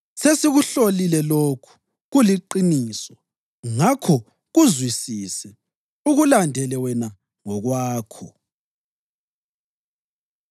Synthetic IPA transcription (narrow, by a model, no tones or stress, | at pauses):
sesiɣuɬolilɛlokʰu̥ | ɣuliǃinisɔ | ŋakʰɔ | ɣuzwisisɛ | uɣulandʱɛlɛwɛna | ŋɔɣwaːkʰɔ̰